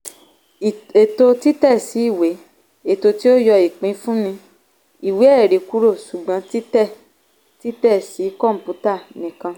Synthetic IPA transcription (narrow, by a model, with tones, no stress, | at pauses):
e˨to˧ti˦tɛ˦˨si˨˦i˦˨we˨˦ | e˦˨to˧ti˦o˦jɔ˧i˨k͡pĩ˨˦fũ˦nĩ˧ | i˨we˨˦ɛ˦˨ɾi˨ku˦ɾo˦˨ʃu˨ɡ͡bã˨˦ti˦tɛ˦˨ | ti˦tɛ˦˨si˨˦kɔ˦˨m̩˨pu˨˦ta˦˨nĩ˨kã˧